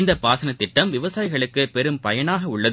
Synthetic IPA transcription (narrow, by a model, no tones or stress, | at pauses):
nd̪ɐpaːsɐnɐt̪ːɪʈːɐmʋɪʋɐsaːjɪɣɐɭɯkːɯpɛɾɯmpɐjɐnaːɣɐʊɭːɐð